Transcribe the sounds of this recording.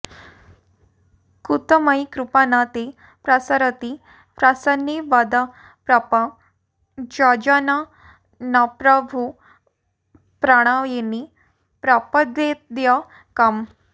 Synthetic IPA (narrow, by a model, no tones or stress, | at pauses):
kut̪əmajkɾupanat̪e | pɾasaɾət̪i | pɾasənːiʋad̪a | pɾapa | d͡ʑad͡ʑana | napɾəbʱu | pɾaɽ̃ajeni | pɾapəd̪ed̪ja | kam